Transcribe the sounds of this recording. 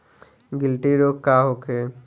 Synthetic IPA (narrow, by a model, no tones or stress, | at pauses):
ɡɪlʈiɾoːkkːaːɦoːkʰe